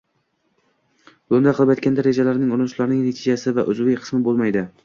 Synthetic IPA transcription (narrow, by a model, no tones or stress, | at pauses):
bʊnd̪aqɨlˠɪpajt̪kʲand̪aɾed͡ʒalaɾnɪŋʊɾɪnɪʃlaɾnɪŋnat̪ʰɪd͡ʒasɪvaʔʊzʊvɪjqʰɨ̥smɪbolˠmajd̪ɪ